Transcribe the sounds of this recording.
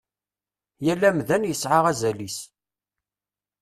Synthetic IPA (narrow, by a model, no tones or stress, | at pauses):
jælːæmðænjəsʕaʁæzælis